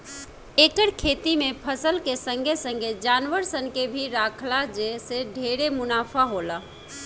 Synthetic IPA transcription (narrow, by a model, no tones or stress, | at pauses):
eːkəɽkʰeːt̪imẽpʰəsəlkesə̃ŋɡʱesə̃ŋɡʱed͡ʒaːnʋəɾsənkebʱiɾaːkʰlad͡ʒeseɖʱeɾemʊnaːpʰaɦoːla